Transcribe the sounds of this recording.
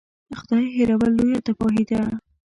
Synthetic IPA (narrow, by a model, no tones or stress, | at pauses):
əxʊd̪ɑjɦeɾawalːojat̪afɑɦid̪a